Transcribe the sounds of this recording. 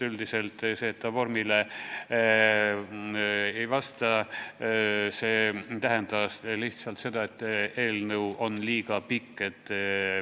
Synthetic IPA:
yld̪ise̞lt̪ˑse̞ːt̪ːɑvo̞rmile | ejvɑst̪ɑ | se̞ːt̪æɦend̪ɑsliht̪sɑlt̪se̞d̪ɑe̞t̪ːeːlnəwo̞nliːɡ̥ɑpikːet̪ː

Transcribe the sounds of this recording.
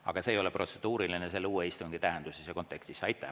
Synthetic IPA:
ɑ̰ɡ̥ɑse̞ːjo̞leprʔo̞t̪se̞d̪̥uːɾilinese̞lːeuːeist̪uŋɡ̥it̪æɦend̪̥usesɑko̞nt̪ːˑe̞kst̪isɑjt̪ːˑɑ̰

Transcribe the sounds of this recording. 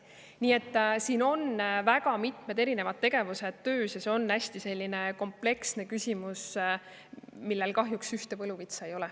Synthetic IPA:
niːe̞t̪ːsiːno̞nvæɡɑmit̪ˑme̞d̪e̞ɾine̞vɑd̪̥̚ːe̞ɡ̥e̞vuse̞d̪̥t̪ø̞ːsjɑseo̞nːæsʲt̪ise̞lʲːine̞ko̞mple̞ksne̞kysʲimus | milːe̞lkɑɦjuksyht̪e̞vɤluvit̪sɑejo̞lɛ

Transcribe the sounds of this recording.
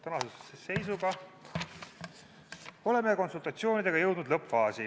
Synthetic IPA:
t̪ɑnɑsussese̞js̬uɡɑ | o̞le̞me̞ko̞nsult̪ˑɑt̪sio̞ːnid̪̥e̞ɡ̥ɑjɤwd̪nd̪lɤpfɑːsi

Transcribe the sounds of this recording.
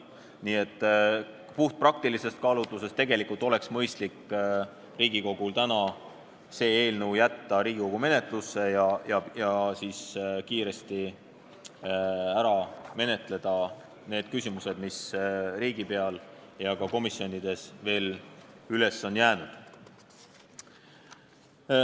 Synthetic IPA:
niːe̞t̪ːˑ | puht̪̚prɑk̚t̪ilise̞st̪̚kɑːlut̪ˑːuse̞st̪ːe̞ɡ̥e̞likːˑult̪ːˑo̞le̞ksmɤjst̪likː | riːɡiko̞ɡ̥ult̪ænɑ | se̞ːeːlnəwjæt̪ːɑɾiːɡ̥iko̞ɡ̥ume̞ne̞t̪ˑlusːe̞jɑjɑjɑsiːskiːɾe̞st̪i | æɾɑme̞ne̞t̪ˑle̞d̪̥ɑ | ne̞ːd̪̥̚kysʲimuse̞d̪misriːɡ̥ipe̞ɑljɑkɑko̞misjo̞nʲid̪̥e̞sve̞ːlyle̞sːo̞njæːnud̪̥

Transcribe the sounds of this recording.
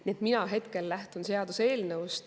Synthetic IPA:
niet̪ˑminɑɦe̞t̪ke̞lːæht̪unse̞ɑd̪̥use̞ːlnevust̪

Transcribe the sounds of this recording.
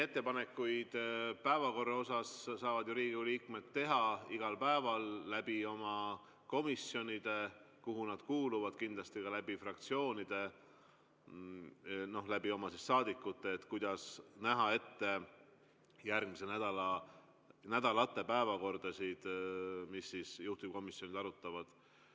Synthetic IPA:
e̞t̪ːe̞pɑne̞kːˑujd̪̥pæevɑko̞rːɑo̞sɑssɑːvɑd̪̥juɾiːɡiuliːkmet̪ːe̞ɦɑiɡ̥ɑlpæevɑlːæb̥io̞mɑ | ko̞misːjo̞nʲid̪̥e̞ | kuɦunɑd̪̥kuːluvɑd̪̥kind̪̥lɑst̪ikɑlæbifrɑk̚t̪sio̞ːnid̪̥e̞ | no̞læbio̞mɑsisːɑːd̪ikːˑut̪ːeːt̪kujd̪̥ɑsnæɦɑe̞t̪ːe̞ | jærɡmise̞næd̪̥ɑlɑ | næd̪̥ɑlɑt̪ːˑe̞pæevɑko̞rd̪̥ɑsid̪̥misːisjuht̪uko̞misjo̞nid̪ɑɾut̪ːˑɑvɑd̪̥

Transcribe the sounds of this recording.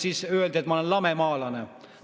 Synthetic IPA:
siːsøːld̪et̪mɑolenlɑmemɑːlɑne

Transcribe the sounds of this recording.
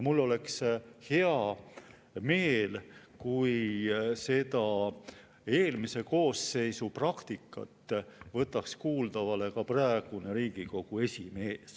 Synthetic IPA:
mulːo̞le̞kshe̞ɑ | me̞ːl | kujse̞d̪ɑ | e̞ːlmise̞ko̞ːsːe̞jsuprɑkt̪ikːˑɑ̰t̪ːˑvɤ̞t̪ːˑɑkskuːld̪̥ɑvɑle̞kɑprɑeɡ̥uneɾiːɡ̥iko̞ɡ̥ue̞sʲime̞ːs

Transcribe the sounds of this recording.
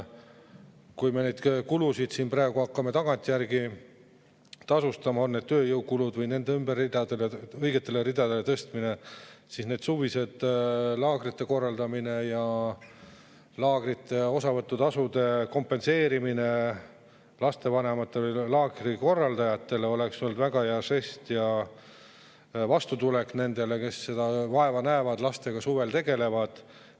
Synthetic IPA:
kujme̞ne̞jd̪̥kulusid̪̥siːnprɑeɡ̥uhɑkːɑme̞t̪ɑɡ̥ɑnʲt̪ʲːˑijærɡi | t̪ɑsust̪ɑmɑo̞nːe̞d̥̪̚t̪øːjɤwkulud̪vɯjne̞nd̪eymberid̪̥ɑd̪e̞leɤjɡ̥e̞t̪ːˑe̞leɾid̪̥ɑd̪e̞let̪ɤst̪mine̞sisne̞ːd̪̥suvise̞d̪̥lɑːɡ̥ɾit̪ːe̞ko̞rːɑld̪ɑmine̞jɑ | lɑːɡ̥rit̪ːe̞o̞sɑvɤt̪ːut̪ɑsud̪̥e̞ko̞mpːˑe̞nse̞ːɾimine̞ | lɑst̪e̞vɑne̞mɑt̪ːˑe̞vjlɑːɡriko̞rːɑld̪ɑjɑt̪ːe̞le̞o̞le̞ksnyld̪væɡ̥ɑjærse̞st̪jɑ | vɑst̪ut̪ule̞kne̞nd̪e̞le̞ke̞sːe̞d̪̥ɑvɑe̞vɑnæevɑd̪̥lɑst̪e̞ɡ̥ɑsuve̞lt̪e̞ɡ̥e̞le̞vɑd̪̥

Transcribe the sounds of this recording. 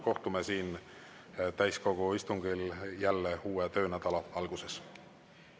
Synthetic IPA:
ko̞ht̪umesiːn | t̪æjsko̞ɡ̥uist̪uŋɡ̥iljælːeuːet̪ø̞ːnæd̪̥ɑlɑɑlɡ̥use̞s

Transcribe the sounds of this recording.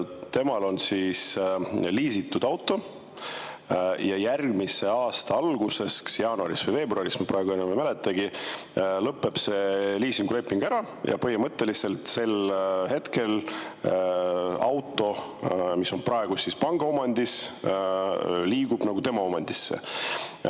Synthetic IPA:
t̪e̞mɑlo̞nsiːsliːsit̪ːud̪̥ɑwt̪ˑːo̞ | jɑjærɡmise̞ɑːst̪ɑɑlɡ̥use̞sksjɑːnuɑɾisvɤjve̞ːbruɑɾismepɾɑeɡuenːememæle̞t̪ːˑɑɡi | lɤpːˑe̞b̥se̞liːsiŋɡ̥ule̞pːˑiŋɡ̥æɾɑ | jɑ̰pɤɦimɤt̪ːe̞lise̞lt̪se̞lhe̞t̪ke̞l | ɑwt̪ːˑo̞miso̞nprɑeɡ̥usispɑŋɡ̥ɑo̞mɑnʲd̪is | liːɡ̥ub̥nɑɡut̪e̞mɑo̞mɑnʲd̪̥isːḛ

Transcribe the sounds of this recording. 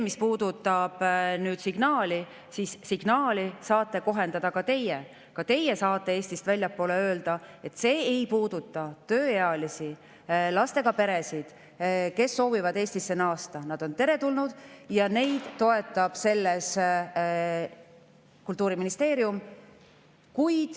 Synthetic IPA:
emispuːd̪ut̪ːˑɑb̥nyːd̪̥siɡ̥nɑːli | siːsːiɡ̥nɑːlisɑːt̪ːˑe̞ko̞ɦe̞nd̪ɑd̪̥ɑkɑt̪e̞je | kɑt̪e̞je̞sɑːt̪ːˑe̞eːst̪ist̪vælʲjɑpːˑo̞ːle̞ø̞ːld̪̥ɑe̞t̪ːˑse̞ːejpuːd̪̥ut̪ˑːɑt̪ø̞ːjeɑlisi | lɑst̪e̞ɡ̥ɑpe̞ɾe̞sid̪̥ | ke̞sːo̞ːvivɑd̪e̞ːsʲt̪isːenɑːst̪ɑnɑd̪̥o̞nt̪e̞ɾe̞t̪ulnud̪̥jɑne̞jd̪̥t̪ːo̞e̞t̪ːˑɑb̥se̞lːes | kult̪ːˑuːɾiminist̪e̞ːɾium | kujd̪̥

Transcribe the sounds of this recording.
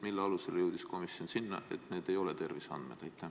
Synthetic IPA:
milːeɑluse̞ljewd̪̥isko̞misio̞nsinːɑ̰e̞̰t̪ne̞ːd̪̥e̞jo̞let̪e̞rvisɑ̰nd̪mḛt̪æjt̪ˑːæ

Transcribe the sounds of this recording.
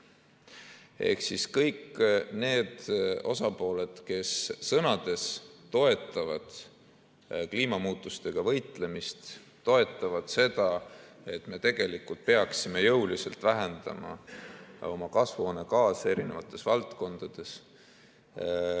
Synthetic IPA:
e̞̰hksiskɤjkne̞ːd̪̥o̞̰sɑpo̞ːle̞d̪̥ke̞sːɤnɑd̪̥e̞st̪o̞e̞t̪ːˑɑvɑd̪̥ | kliːmɑmuːt̪ˑːust̪e̞ɡ̥ɑvɤ̞jt̪ˑle̞mist̪ː | o̞e̞t̪ˑːɑvɑd̪̥se̞d̪ɑ | e̞t̪ːˑme̞t̪e̞ɡ̥e̞likːult̪̚peɑksime̞jɤwlise̞lt̪ˑvæɦe̞nd̪̥ɑ̰mɑ̰ | o̞̰mɑkɑsvoːnekɑːse̞ɾine̞vɑt̪ːˑe̞svɑlt̪ko̞nd̪̥ɑd̪̥e̞s

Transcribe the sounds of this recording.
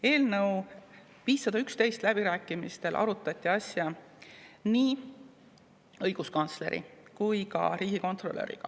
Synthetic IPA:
e̞ːlnɤw | piːsɑd̪̥ɑykst̪e̞jst̪læb̥iɾæːkːˑimist̪e̞lʔɑ̰ɾut̪ːˑɑt̪ʲːˑiɑsjɑ | niː | ɤ̞jɡ̥uskɑnt̪sle̞̰ɾʔḭkujkɑ̰ɾiːɡ̥iko̞nt̪ˑro̞lːø̰ɾḭɡ̥ɑ̰

